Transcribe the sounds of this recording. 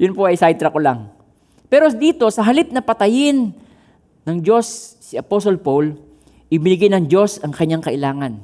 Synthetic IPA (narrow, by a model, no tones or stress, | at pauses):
jʊnpoʔɐjsajt̪ɾɐkolaŋ | pɛɾod̪iːt̪o̞sɐɦɐlɪt̪̚nɐpɐt̪ɐjɪnː | ɐŋd͡ʒo̞sː | iɐposolpol | ʔɪbɪnɪɡɪjnɐŋd͡ʒo̞sɐŋkɐɲːaŋkɐʔɪlaːŋɐn